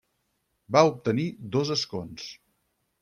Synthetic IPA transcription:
baup̚t̪ənid̪ozəskons

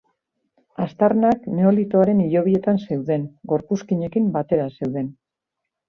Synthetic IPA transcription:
ast̪arnakne̞o̞lit̪o̞aɾe̞niʎo̞β̞ie̞t̪anse̞wðe̞nɡo̞ɾpuskiɲe̞kimbat̪e̞ɾase̞wðe̞n

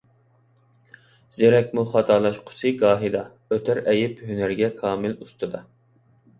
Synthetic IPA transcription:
z̥eɾɛkʲmuχɑt̪ʰɑːlˠɑʃqʰʊ̥sɨɡɑːɦɨd̪ɑ | øt̪ʰæɾɛjɪpɦynæɾɡʲɛkʰɑːmɪlust̪ʰɨd̪ɑ

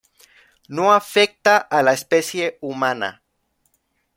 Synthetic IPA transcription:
noafek̚t̪aʔalaespesje̞umãna̰

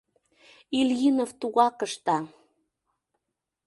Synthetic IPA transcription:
iljinoft̪uɣɑkəʃt̪ɑ

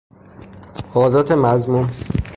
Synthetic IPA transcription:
ɒːd̪ɒːt̪ʰemæzmun

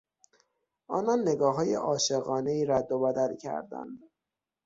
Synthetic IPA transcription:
ʔɒːnɒnːe̞ɡɒːɦɒːjḛʔɒːʃe̞ɣɒːne̞iːɾæd̪ːobæd̪æɾicʰæ̰ɾd̪æ̰nd̪

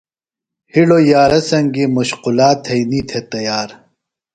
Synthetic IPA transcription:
hiɽojaːɾɐsɐŋɡimuɕqulaːt̪ʰɐjnit̪ʰet̪ɐjaːɾ

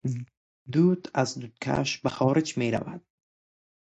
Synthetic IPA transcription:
d̪ud̪azd̪ud̪̥̚kʰa̰ʃbaxɔːɾɪd͡ʒmeɾa̰vad̪̥̚

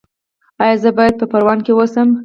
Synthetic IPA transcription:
ɑjɑzəbɑjad̪̚pəpaɾwɑnkewosəm

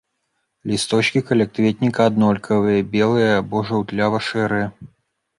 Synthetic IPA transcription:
lʲist̪ɔt͡ʃkʲikɐlʲɛkt̪vʲet̪ʲnʲikɐad̪nɔlʲkʰɐvɨjɐbʲɛlˠɨjɐːbɔʐɐwt̪lʲavɐʂɛɾɨjɐ

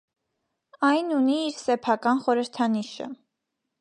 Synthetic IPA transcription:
ɑjnuniːɾsɛpʰɑkɑnχɔɾəɾt̪ʰɑniʃə̰

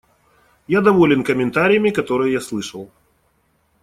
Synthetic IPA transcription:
jad̪ɐvolʲɪnkəmʲɪnt̪aɾʲɪjəmʲɪkɐt̪o̞ɾɨjəjaslˠɨʂəlˠ

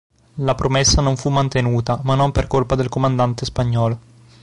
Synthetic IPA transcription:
lapɾʔomesːanoɱfumːant̪enuːt̪amanːomperkolpad̪elkomand̪ant̪espaɲːɔːlo

